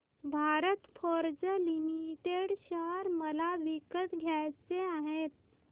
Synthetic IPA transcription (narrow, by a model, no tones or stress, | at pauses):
bʱaːɾət̪pʰoːɾd͡ʒəlimiʈeɖʃaɾməlaʋikət̪ɡʱjɛːsseaɦẽːt̪